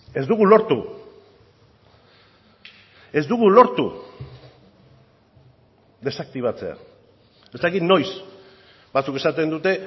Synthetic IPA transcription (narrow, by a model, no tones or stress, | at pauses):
e̞zd̪uɣulo̞ɾt̪u | e̞zd̪uɣulo̞ɾt̪u | d̪e̞sak̚t̪iβ̞at͡se̞a̰ | e̞st̪akit̪no̞js | bat͡suke̞sat̪e̞nd̪ut̪e̞